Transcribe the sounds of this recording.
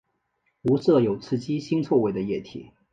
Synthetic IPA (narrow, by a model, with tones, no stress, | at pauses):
u˧˥sɤ˥˩jo˨˩ʊt͡sʰɹ̩˥˩t͡ɕi˥ɕi˥ŋt͡sʰwɔ˥˧we˥˩ɪd̪ə˩jɛ˥˩t̪ʰḭ˨˩˦